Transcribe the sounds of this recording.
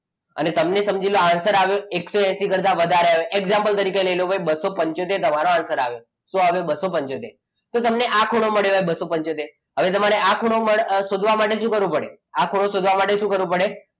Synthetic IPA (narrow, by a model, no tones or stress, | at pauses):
ə̰net̪əmnesəmd͡ʒiloansəɾaʋjoeksoɛsikəɾt̪aʋəd̪ʱaɾeəʋeʔeɡzãmpəlt̪əɾikeləjlobʱajbəsopə̃ɲt͡ʃot̪et̪əmaɾoansəɾa̰ʋe | sõɦəʋebəsopəɲt͡ʃot̪ḛ | t̪ot̪əmneʔakʰuɽ̃oməɭjobjbəsopəɲt͡ʃot̪e | ɦəʋet̪əmaɾeakʰuɽ̃oməɭʃod̪ʱʋamaʈeʃũːkəɾʋũpəɽḛ | akʰuɽ̃osod̪ʱʋamaʈeʃũkəɾʋũpəɽe